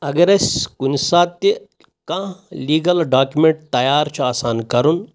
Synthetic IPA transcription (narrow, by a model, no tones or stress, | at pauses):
ɐɡɾeskunsaːt̪i | kãliːɡɐlɖaːkʲjumẽɳʈ̚t̪ɐjaːɾt͡ʃʰaːsaːnkɐɾun